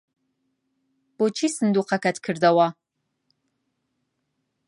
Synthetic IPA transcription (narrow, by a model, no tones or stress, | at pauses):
b̥ot͡ʃʰisɨnd̪uːqʰakɐt̪ʰkʰɨɾd̪ɐwa